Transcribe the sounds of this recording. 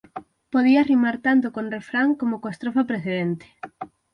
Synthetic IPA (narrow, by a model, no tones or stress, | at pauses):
poð̞iarimaɾt̪ant̪okondrefɾaŋkomokoest̪ɾofapɾeθeðent̪e̥